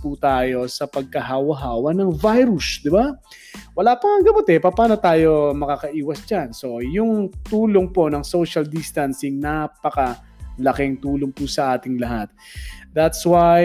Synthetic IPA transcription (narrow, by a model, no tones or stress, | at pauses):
put̪aːjo̞sɐpɐɡ̚kɐɦawɐɦaːwɐnɐŋvajɾusd̪ɪba | wɐlaːpɐŋɐŋɡɐmot̪ɛpɐpaːno̞t̪aːjo̞mɐkakɐʔiːwɐsd͡ʒanso̞jʊŋt̪uːloŋpo̞nɐŋso̞ʃɐld̪ist̪ɐnsɪŋnapɐkɐ | lɐkɪŋt̪uːloŋpusɐʔaːt̪ɪŋlɐɦat̪̚ðɐt̪swaj